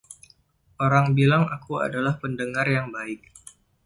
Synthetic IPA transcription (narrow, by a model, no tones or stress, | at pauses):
ʔoɾaŋbilaŋakua̰dalahpəndəŋarjaŋbaɪk̚